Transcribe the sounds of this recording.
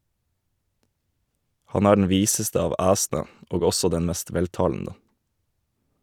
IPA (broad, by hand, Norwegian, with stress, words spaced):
ˈhɑn ˈæː ɖɳ̩ ˈʋiːsəstə ˈɑːʋ ˈæːsn̩ə ˈoːɡ ˈɔsɔ ˈdɛn ˈmɛst ˈʋɛlˌtɑːln̩ə